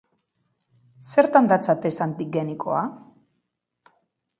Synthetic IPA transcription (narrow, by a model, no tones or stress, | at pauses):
se̞ɾt̪and̪at͡sat̪esant̪iɡenikʰo̞̰a